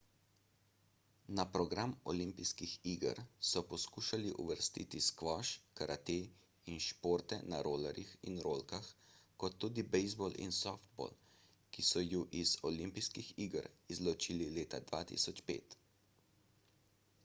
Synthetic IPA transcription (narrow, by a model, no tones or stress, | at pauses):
napɾɔɡɾamɔ̰limpiskixiːɡə̰ɾsɔpɔskuːʃaliʔṵʋəɾst̪ḭt̪iskʋɔʃkaɾʔat̪eː | inʃpoːɾt̪ɛna̰ɾoːlɛɾixḭnɾoːlkaxkɔt̪ːuːd̪ibɛjzbolḭnsɔft̪̚bo̰l | kisɔjuʔizɔlimpijskixiɡəɾizlɔt͡ʃilileːt̪ad̪ʋa̰ːt̪ḭsɔt͡ʃpḛːt̪